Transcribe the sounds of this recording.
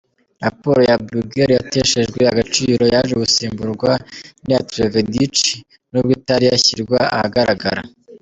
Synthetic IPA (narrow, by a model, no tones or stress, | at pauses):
ɾapo̞ɾojabɾuɡeɾjate̞ʃe̞ʒɡweaɡat͡ʃiːɾo̞jaʒeɡusiːmbuɾɡwanijatɾevedit͡ʃi | nubɡitaɾijaçiɾɡwaa̰haɡaɾaɡa̰ɾa̰